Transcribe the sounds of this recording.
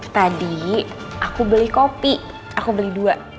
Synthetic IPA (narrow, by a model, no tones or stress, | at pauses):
t̪adi | akubəlɪhkopi | akubəlɪhduaʔ